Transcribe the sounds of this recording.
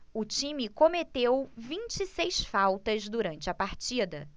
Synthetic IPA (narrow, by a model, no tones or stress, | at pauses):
ʊt͡ʃĩmɪkõmet̪ewvĩt͡ʃisejsfawt̪ɐzd̪uɾɐ̃nt͡ʃɪɐpaɾt͡ʃid̪ɐ